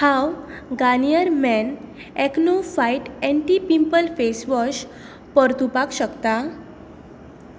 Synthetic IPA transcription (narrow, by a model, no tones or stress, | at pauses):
hãwɡanijəɾmɛn | ɛknofajʈɛ̃ɳʈipimpəlfesʋɔɕ | pəɾt̪upakɕəkt̪a